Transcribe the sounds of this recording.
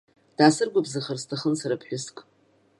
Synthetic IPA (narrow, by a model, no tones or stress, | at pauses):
d̥aːsɨrɡʷabzaχərstʰaχənsaɾapʰħʷᶣʊskʼ